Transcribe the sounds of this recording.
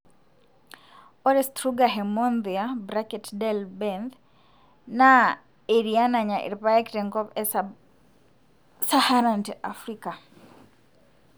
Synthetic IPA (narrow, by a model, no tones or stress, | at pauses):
ɔɾɛstɾuɡaɦɛmɔnðiabɾakɛtdɛlbɛnð | na | eɾianaɲaʔḭɾpajakiɾɛŋkɔpɛs | sahaɾantɛʔa̰fɾika